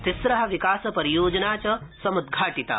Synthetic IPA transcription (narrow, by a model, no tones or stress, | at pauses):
t̪ɪsɾɐɦɐ̆ʋikaːsɐpɐɾijoːd͡ʒɐnaːt͡ʃɐsɐmud̪ɡʱaːʈit̪a̰ː